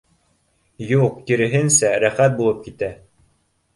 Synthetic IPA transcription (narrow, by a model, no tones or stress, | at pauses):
juq̚t̪iɾɘ̆ɦɘnsæɾæχæt̪̚bulˠɤp̚kit̪æ